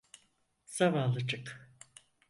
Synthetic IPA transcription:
savaːlˠɯt͡ʃɯk

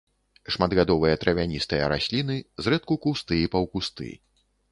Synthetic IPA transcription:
ʂmad̪ɣad̪ɔvɨjɐt̪ɾʔɐvʲanʲist̪ɨjɐ̰ɾasʲlʲinɨzɾɛt̪̚kukust̪ɨipɐwkust̪ɨ̰

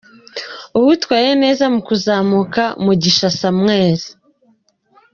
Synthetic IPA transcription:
uhutwaːjene̞ːzamukuzaːmukamuɟiʃasamŋe̞ːɾi

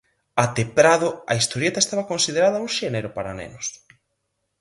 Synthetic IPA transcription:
at̪epɾaðʊɐ̰ist̪oɾjet̪aest̪aβɐkonsið̞eɾaðɐuŋʃɛneɾʊpaɾanḛnʊs

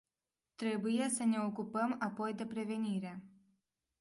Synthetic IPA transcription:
t̪ɾe̞buje̞səne̞okupəmapo̞jd̪e̞pɾe̞ve̞niɾe̞

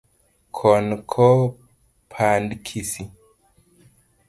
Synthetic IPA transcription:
kʰɔnkʰɔ | pʰandkʰisi

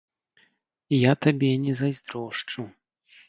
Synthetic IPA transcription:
ijat̪abʲɛnʲɛzajzʲd̪ɾɔʂt͡ʂu

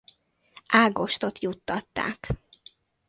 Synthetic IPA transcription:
aːɡo̞ʃt̪o̞t̪jut̪ːɒt̪ːa̰ːk

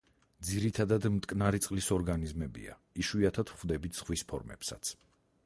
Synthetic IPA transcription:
d̪ziɾit̪ʰad̪ad̪mt̪ʼkʼnaɾit̪sʼqʼlisɔɾɡanizmɛbḭa̰ | iʃwiat̪ʰad̪χwvd̪ɛbit̪ʰz̥ʁwispʰɔɾmɛ̰psa̰t̪sʰ

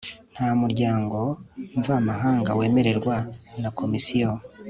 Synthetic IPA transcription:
n̥haːmuɾɟaːŋɡo̞ɱvamaɦaːŋɡawe̞ːme̞ɾe̞ɾɡwanako̞misijo

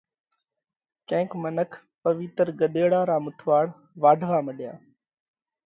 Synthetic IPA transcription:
kẽːkmənəkʰ | pəʋɪt̪əɾɡəɗ̪eːɽaːɾaːmʊt̪ʰʋaːɽ | ʋaːɖʱʋaːməɗɪjaː

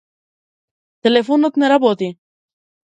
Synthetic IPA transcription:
t̪elefonot̪meɾɐbot̪i

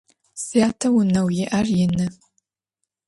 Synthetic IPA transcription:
sijaːtʰɐwʊnɐwjɪʔɐrjɪnɨ

